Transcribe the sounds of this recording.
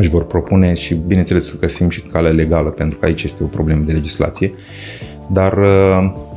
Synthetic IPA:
ɨʒvo̞rpɾo̞pune̞ʃibinent̪selesəɡəsimʃi̥kaleale̞ɡaləpe̞nt̪ɾukəait͡ʃʲje̞st̪e̞o̞pɾo̞ble̞məd̪e̞le̞d͡ʒisla̰t̪sije̞ | d̪arə

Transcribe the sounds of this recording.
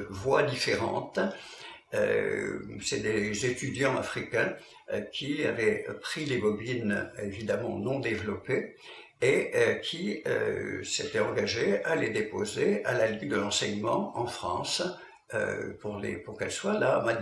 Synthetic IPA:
vwad̪ifeʁɑ̰̃t̪ | ø̰ | sɛd̪ezet̪yd̪jɑ̃a̰fχikʲɛ̃ | kʲʰia̰vɛpχilebɔbinevid̪amɑ̰̃nɔ̃d̪evlɔpe | ekʲʰiø̰set̪ɛɑ̃ɡaʒealed̪epozealaliŋd̪əlɑ̃sɛɲmɑ̃ɑ̃fχɑ̰̃s | ø̰puʁlḛpuʁkɛlswalama

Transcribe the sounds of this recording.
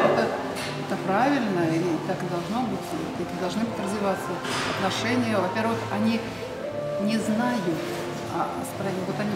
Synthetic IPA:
ɛt̪ə | ɛt̪əpɾavʲɪlʲnəilʲɪt̪akɨd̪ɐlˠʐno̞bɨtʲ | ɛt̪əd̪ɐlˠʐnɨbɨtʲrəzvʲɪvat̪sːəɐt̪nɐʂɛnʲɪjəvɐpʲervɨxɐnʲi | nʲɪznajʊt̪ | a̰ | spɾɐvot̪ɐnʲi

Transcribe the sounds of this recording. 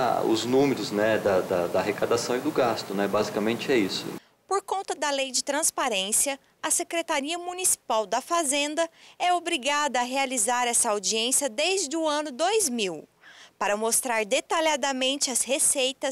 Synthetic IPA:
ʊ̰znũmeɾʊznɛd̪ɐd̪ɐd̪ɐɦekad̪asɐ̃w̃id̪ʊɡast̪ʊnɛbazikamẽnt͡ʃɪɛisʊ̰ | poɾkõnt̪ɐd̪ɐlejd͡ʒɪt̪ɾɐ̃spaɾẽsiɐ | ɐsekɾet̪aɾiɐmunisi̥pawd̪ɐfazẽnd̪ɐɛobɾiɡad̪ɐɐɦealizaɾɛsɐawd͡ʒiẽsjɐd̪ejzʒd͡ʒɪdʊɐ̃nʊd̪ojzmiwpaɾɐmost̪ɾaɾd̪et̪aʎad̪ɐmẽnt͡ʃɪɐshesejt̪ɐ

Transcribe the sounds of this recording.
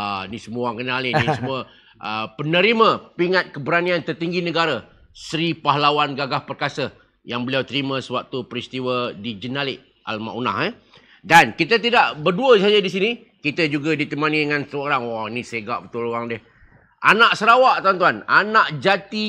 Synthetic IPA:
anisəmuaŋkənalisəmuə | ʔəpənəɾimə̃piŋat̪̚kəbəɾaniant̪ərt̪iŋɡinəɡaɾə | səɾipaɦlawanɡaɡahpərkasə | jaŋbəliawt̪əɾimə̃səwak̚t̪upəɾist̪iwədid͡ʒənalɪʔ | ʔa̰lma̰ʔuna̰hɛ | dankit̪ət̪idaʔbərduəsad͡ʒadisini | kit̪əd͡ʒuɡadit̪əmanidəŋansəoɾaŋwanisaəɡaʔbət̪uloaŋdəh | ʔanaʔsəɾawaʔt̪awant̪uananaʔd͡ʒat̪i

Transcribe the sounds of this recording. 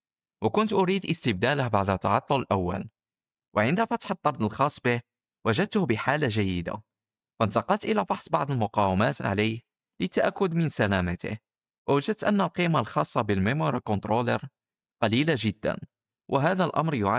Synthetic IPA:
wəkʊnt̪ʔʊɾiːd̪ʔəst̪əb̚d̪æləhbaʕd̪ət̪ːɑʕɑt̪ˤːʊləlʔawːæ̰l | wʕənd̪æfɑt̪ħət̪ˤːɑɾˤd̪əlxɑsˤːbəh | wæʒəd̪̚t̪hbəħaːlːaʒæjːɪd̪a̰ | fænt̪ɑqɑlt̪ʔəlæfɑħsˤbɑʕd̪ˤəlmʊqɑwamæːt̪ʕa̰ləjh | lət̪ːaʔækːʊd̪mənsælæmat̪ə̰h | wʔəwaʒəd̪̚t̪ʔənːælqimalxɑsˤːɑbəlmemoɾˤɑkont̪ɾolə̰ɾ | qɑlilaʒəd̪ːæ̰n | wʔəɦæd̪ælʔɑ̰mɾjʊʕa

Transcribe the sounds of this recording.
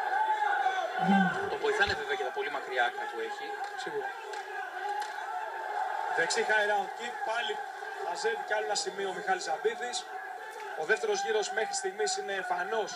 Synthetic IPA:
t̪ovo̞jiθɐneveve̞ojɐt̪ɐpo̞limɐkɾiɐkmɐp̪ueçisiɣuɾɐ | ðe̞ksixɐiɾɐcipɐli | mɐzet̪iceɐlonɐsimiomixɐlizɐbiðis | o̞ðe̞ft̪e̞ɾo̞zʝiɾo̞zme̞xɾi̥st̪iɣmisine̞ːfɐno̞s

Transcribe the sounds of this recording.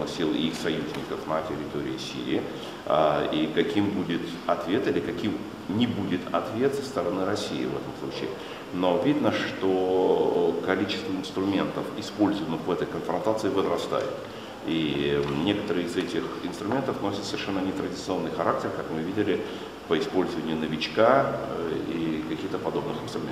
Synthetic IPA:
nɨxsʲilˠɪ̰ixsɐjuzʲnʲɪkəfnətʲɪɾʲɪt̪oɾʲɪ̰ɪsʲḭɾʲɪ̰ː | aikɐkʲimbudʲɪt̪ | ɐt̪vʲe̞t̪ɪlʲɪkɐkʲim | nʲɪbudʲɪt̪ɐt̪vʲe̞t̪sə̥st̪əɾɐnɨɾɐsʲiɪ̰vɛ̰t̪əmslˠut͡ɕɪ̰ː | novʲid̪nəʂt̪o | kɐlʲit͡ɕɪ̥st̪vəɪnst̪ɾʊmʲe̞nt̪əfɪspo̞lʲzəvənɨxvɛt̪əjkənfɾɐnt̪at̪sɨɪvəzɾɐst̪a̰jʊ̰t̪ | inʲe̞kə̥t̪əɾɨɪzɛtʲɪxɪnst̪ɾʊmʲe̞nt̪əfnosʲɪt̪səvʲɪrʂɛnːənʲɪt̪ɾədʲɪt̪sɨo̞nːɨjxɐɾʔak̚tʲɪrkakmɨvʲidʲɪlʲɪ | pəɪspo̞lʲzəvənʲɪʊnəvʲɪt͡ɕka | ḭkɐkʲixt̪əpɐd̪o̞bnɨxɪnst̪ɾʊmʲḛ

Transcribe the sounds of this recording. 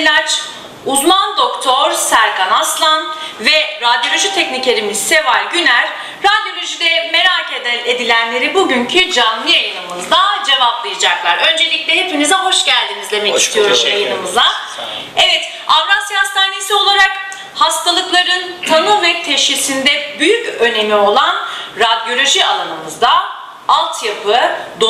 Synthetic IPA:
lʲat͡ʃ | uzmand̪o̞kt̪ʰo̞ɾsæɾɡanaslˠanvɛɾad̪jo̞lʲo̞ʒit̪ʰɛcnicʲeɾimiz̥se̞valʲɟynæɾ̥ | ɾad̪jo̞lʲoʒid̪ɛme̞ɾaːce̞d̪ælʲed̪ilʲænlʲe̞ɾibuɟyɲcʰyd͡ʒanːijajɯnɯmɯzd̪ad͡ʒe̞vaplˠajad͡ʒaklˠaɾø̞nd͡ʒe̞lʲicʲlʲɛɦe̞pimizɛɦo̞ʃɟælʲd̪inizd̪e̞mɛcist̪ʰijo̞ɾuzjajɯnɯmɯzd̪ˠa | ɛvɛt̪ | avɾanshast̪ʰaːne̞sio̞lˠaɾak | hast̪ʰalˠɯklˠaɾɯnt̪ʰanɯvɛt̪ʰɛʃcisind̪ɛbyjycø̞ne̞mio̞lˠanɾad̪jo̞lʲo̞ʒialˠanɯmɯzd̪a | alˠt̪ʰjapʰɯd̪o

